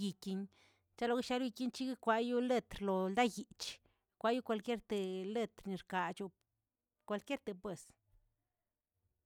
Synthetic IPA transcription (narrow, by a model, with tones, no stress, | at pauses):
ji˨ki˧ɲ | t͡ʃa˦lo˨˧ɡe˦ʃa˧˦lji˧ki˦ɲt͡ʃi˦ɡi˦kʷa˧ju˦le˦˧t̪ɾlo˨ld̪a˦ji˨t͡ʃ | kʷa˧˦ju˦kʷa˧lkʲje˦ɾt̪e˨le˦˧t̪ɾni˨ɾka˨t͡ʃu˧ | kʷa˧lkʲje˦ɾt̪e˨pwe˨s